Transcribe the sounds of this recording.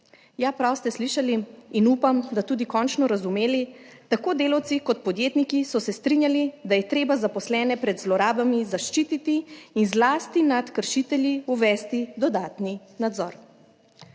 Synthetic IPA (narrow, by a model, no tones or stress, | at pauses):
jaːpɾawst̪ɛsliʃaliːnuːpamd̪at̪uːd̪ikɔːnt͡ʃnɔɾazumeːlit̪akoːd̪eːlawt̪sikɔt̪̚pɔd̪jeːt̪nikisɔsɛst̪ɾinjalid̪ajɛt̪ɾeːbazapɔslɛːnɛpɾɛd̪zlɔɾaːbamizaʃt͡ʃiːt̪it̪iːnzlaːst̪inat̪kəɾʃit̪ɛljiuʋɛːst̪id̪ɔd̪aːt̪ni | nad̪zɔ̰ːɾ